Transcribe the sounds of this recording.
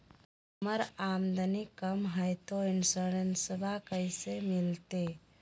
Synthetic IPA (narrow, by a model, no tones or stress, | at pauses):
əməɾamd̪ʱənikəmɦəjt̪oinsəɾɾensəbʱakəjsemilt̪e